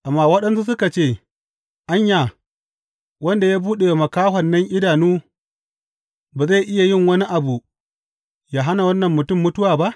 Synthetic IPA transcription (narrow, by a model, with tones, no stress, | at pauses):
ʔa˨mːaː˦wɐ˦ɗɐ˦ns̬u˦sʊ˦ka˨t͡ʃeː˦˨ | ʔa˦ɲjaː˨ | wɐ˦nda˨jaː˦buː˦ɗe˨jmɐ˨kaː˦ɦɐ˨nːɐ˦ŋʔɪ˦daː˨nuː˦ | baː˨za˦˨ʔɪ˦ja˨jɪ˦˨ŋwɐ˦ni˦ʔa˨bu˨ | jaː˦ɦa˦na˨wɐ˦nːɐ˨mːʊ˨tʊ˦˨mːʊ˦tʊ˦waː˨ba˦ʔ